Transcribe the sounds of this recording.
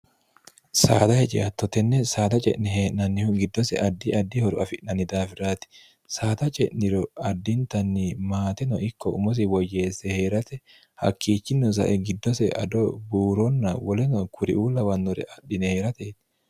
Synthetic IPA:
sa̰ːd̪ɐhɛt͡ʃʼɪ̰ɐt̪ːɔt̪ɛnːɛsaːt̪ɐt͡ʃʼɛ̰ʔnɪheːʔnɐnːɪhʊɡɪd̪ːɔsɛ̰ʔɐd̪ːiʔɐd̪ːihɔɾʊɐfɪʔnɐnɪd̪aːfɪɾaːt̪ɪ̥ | saːt̪ɐt͡ʃʼɛ̰ʔnɪɾɔɐd̪ːint̪ɐnːimaːt̪ɛnɔʔɪkːɔʊmɔs̬ɪwɔjːe̞ːsːɛheːɾɐt̪ɛ | hɐ̰kːiːt͡ʃːɪnːɔs̬ɐ̰ʔɛɡɪd̪ːɔsɛʔɐ̰d̪ɔbuːɾɔnːɐwɔlɛnɔkʰʊɾɪ̰ʔuːlɐwɐnːɔɾɛ̰ʔɐᶑːɪneːɾɐt̪eːt̪

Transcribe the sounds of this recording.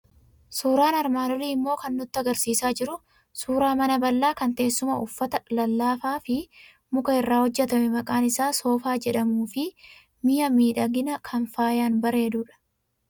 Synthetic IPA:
suːɾaːnɐɾmaːdɔliːɪmːo̞ːkɐnːʊt̪ːɐɡɐɾsiːsaːd͡ʒɪɾʊ | suːɾaːmɐnɐbɐlːaːkɐnt̪e̞ːsːʊmɐʊfːɐt̪ɐlɐlːaːfaːfɪ | mʊkʼɐɪrːaːhɔd͡ʒːɛt̪ɐmɛmɐkʼaːnɪsaːso̞ːfaːd͡ʒɛᶑɐmuːfɪ | mɪjɐmiːᶑɐɡɪnɐkʰɐnfaːjaːnbɐɾe̞ːd̪uːᶑɐ̥

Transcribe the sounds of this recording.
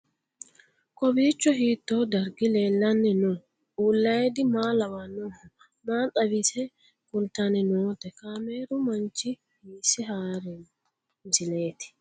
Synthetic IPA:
kɔbiːt͡ʃːɔhiːt̪ːoːd̪ɐɾɡɪleːlːɐnːɛnʊ | uːlːɐjɛd̪ɪmaːlɐwaːnoːhʊ | maːt̪ʼɐbɪsɛ | kʊnt̪ːanɛnoːt̪ɛkaːmeːɾʊmɐnt͡ʃːɪ | hiːsɪɦaːɾɛ | mɪsɪle̞ːt̪ɪ̥

